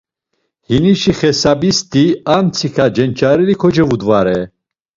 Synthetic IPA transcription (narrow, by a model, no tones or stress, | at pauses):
hiniʃiχɛsabist̪ʰiamt͡sʰikʰad͡ʒɛnt͡ʃʼaɾɛlikʰɔd͡ʒɛvud̪vaɾɛ